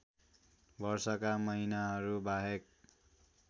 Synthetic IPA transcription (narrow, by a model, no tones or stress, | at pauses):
bʌrsʌkamʌɦinaɦʌɾubaɦek̚